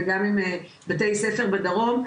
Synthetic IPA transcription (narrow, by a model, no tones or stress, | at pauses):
ɡamime | bate̞jsefeʁbad̪aʁo̞m